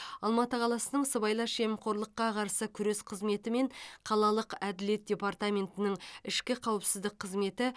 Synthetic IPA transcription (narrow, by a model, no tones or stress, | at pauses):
ɑlˠmɑt̪əqʰɑlˠɑsənəɴsəbɑjlˠɑʃemqʰo̞ɾlˠəqːɑqʰɑɾsəkʲʰʏɾe̞sqʰəzme̞t̪ɪme̞ɴqʰɑlˠɑlˠəqæd̪ɪle̞t̪̚d̥ʲe̞part̪amʲe̞nt̪ɪnɪŋɪʃkʲɪqʰɑwəpsɪzd̪ɪk̚qʰːəzme̞t̪ɪ